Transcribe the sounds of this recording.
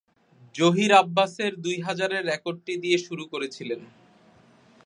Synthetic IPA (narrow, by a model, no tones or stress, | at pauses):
d͡ʑoɦiɾabːaseɾd̪ujɦad͡ʑaɾeɾːɛkoɖ̚ʈid̪ieʃuɾukoɾet͡ɕʰilen